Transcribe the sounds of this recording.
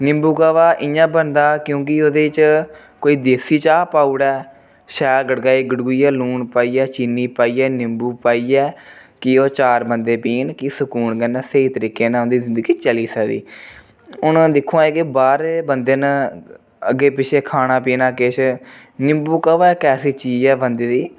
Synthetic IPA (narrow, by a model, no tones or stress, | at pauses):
nɪmbuːkaːʋaːʔɪ̃jãːbənd̪aːkjõːk̬ɪod̪eːt͡ʃ | koːiːd̪eːsiːt͡ʃaːpaːʊɽɛː | ʃɛːlɡəɽɡaːiːɡəɖuɡuiːɛːluːɳpaːiːɛːt͡ʃiːniːpaːiːɛːnɪmbuːpaːiːɛː | kɪːoːt͡ʃaːɾbənd̪eːpiːnkisəkuːɳkənːseiːt̪əɾiːkeːnaːʊnd̪iːzɪ̃nd̪əɡiːt͡ʃəliːsəkd̪ḭː | ʊnd̪ɪkʰːõːɛ̃ːkɪbaːɾeːbənd̪eːn | əɡeːpɪt͡ʃʰeːkʰaːnaːpiːnãːkeːt͡ʃʰ | nɪmbuːkəʋɛːkɛːsiːt͡ʃiːd͡ʒɛːbənd̪eːd̪iː